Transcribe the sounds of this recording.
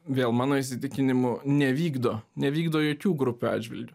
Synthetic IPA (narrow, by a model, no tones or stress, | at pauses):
ʋʲeːlˠmɑːnoːisʲɪt̪ʲɪkʲɪnʲɪmʊnʲɛʋʲiːɡd̪oːnʲɛʋʲiːɡd̪oːjoːkʲuːɡɾʊpʲuːɑ̰ːd͡ʒʲʋʲɪ̰lʲd̪ʲʊ